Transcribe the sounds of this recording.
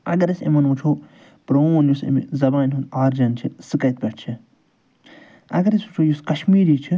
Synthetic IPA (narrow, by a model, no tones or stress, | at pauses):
ɐ̰ɡɐɾɐsḛmɐnʋut͡ʃʰoː | pɾoːnjusḭmḭzɐbaːnʲɦunaːɾd͡ʒɐnt͡ʃʰisɨkɐt̪̚pʲɐʈt͡ʃʰi | ɐ̰ɡɐɾɐsut͡ʃʰoːjuskɐʃmiːɾiːt͡ʃʰi